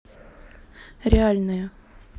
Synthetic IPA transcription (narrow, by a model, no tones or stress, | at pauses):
ɾʲɪalʲnɨjə